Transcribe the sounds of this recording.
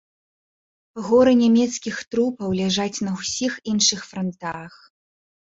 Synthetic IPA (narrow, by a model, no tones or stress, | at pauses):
ɣɔɾɨnʲamʲɛt̪skʲixt̪ɾupɐwlʲaʐat͡sʲnɐwsʲixinʂɨxfɾɔnt̪ax